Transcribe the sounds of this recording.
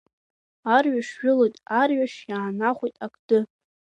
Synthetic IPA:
arɥaʂʒᶣʊlojtʼarɥaʂjaːnaχʷojtʼakʼdɨ

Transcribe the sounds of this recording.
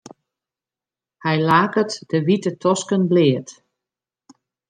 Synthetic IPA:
hɛjlaːkətd̥əʋitətʰɔskənblɪːət

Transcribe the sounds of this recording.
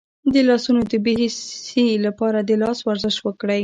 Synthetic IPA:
d̪əlɑsunod̪əbeɦessilapɑɾad̪əlɑswaɾzɪʃwəkɽəj

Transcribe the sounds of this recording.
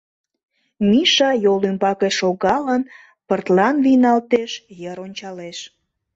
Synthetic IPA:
miʃɑjolympɑkeʃoɣɑlən | pərt̪lɑnvijnɑlt̪eʃjəɾonʲt͡ɕɑleʃ

